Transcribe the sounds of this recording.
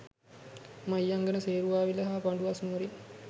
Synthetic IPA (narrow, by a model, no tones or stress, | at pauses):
majːaŋɡənəseːɾuʋaːʋiləɦaːpaɳɖuʋasnuːɾi